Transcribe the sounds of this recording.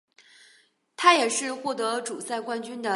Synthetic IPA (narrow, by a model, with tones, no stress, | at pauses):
t̪ʰa˥jɛ˨˩ʂɻ̩˥˧xwɔ˥˩t̪ɤ˧˥ʈ͡ʂu˨˩sa˥˩ɪkwa˥nt͡ɕy˥nd̪ə˨